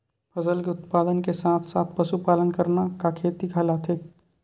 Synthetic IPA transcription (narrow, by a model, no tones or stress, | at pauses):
pʰɐzəlkeʊt̪paːd̪ənkesaːt̪ʰsaːt̪ʰpɐʃupaːlənkəɾnakakʰeːt̪iɡʰʱalat̪ʰeː